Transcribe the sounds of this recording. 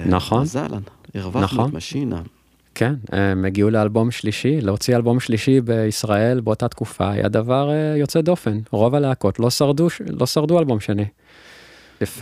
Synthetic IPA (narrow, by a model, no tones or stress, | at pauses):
naχo̞nza̰lʔa̰niʁvanaχonmaʃina | kʰenemːeɡiulealbo̞mʃliʃileot͡sialbo̞mʃliʃibe̞isʁae̞lbeotat̪kufa̰ːja̰d̪avaʁejo̞t͡sed̪o̞fe̞nʁo̞valeako̞tlo̞saʁduʃlʔo̞saʁdualbo̞mʃeni | ef